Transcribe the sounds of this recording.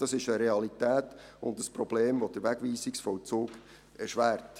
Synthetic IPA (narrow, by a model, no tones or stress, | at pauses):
d̥ɑsɪʃəɾeɑlitæːtʊndəspɾɔb̥leːmʋod̥əɾʋæɡʋiːsɪksfɔwt͡suːk | ɛɾʃʋæːɾt